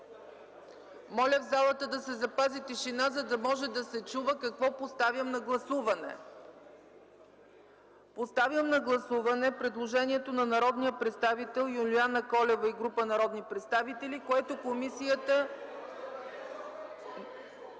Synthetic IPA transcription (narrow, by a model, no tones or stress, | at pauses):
mɔlʲəvzalˠət̪əd̪ɐsɛzɐpazit̪iʃinazɐd̪ɐmɔʒɛd̪ɐsɛt͡ʃuvəkɐkvɔpost̪avʲjəmnɐɡlˠɐsuvɐnɛ̰ | post̪avjəmnɐɡlˠɐsuvɐnɛpɾɛd̪lˠoʒɛniɛt̪onɐnɐɾɔd̪nijəpɾɛt̪st̪avit̪ɛlˠjʊlʲianəkɔlɛvəiɡɾupənɐɾɔd̪nipɾɛt̪st̪avit̪ɛlʲikoɛt̪okomisijət̪ə